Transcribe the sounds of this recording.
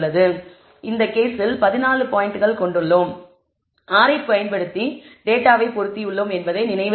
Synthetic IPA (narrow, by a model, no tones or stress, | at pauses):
ɭːɐðɯ | ʔɪnd̪ɐkeːsɪlpɐðɪnaːnɭɯpaːjɪɳʈɯɣɐɭkɔɳɖɯɭːoːm | aːɾɐɪpːɯɐjɪnpɐɽɯt̪ːiɖeːʈːaːʋɐɪpɔɾɯt̪ːiɯɭːoːmɛnbɐðɐɪnɪnɐɪʋɯ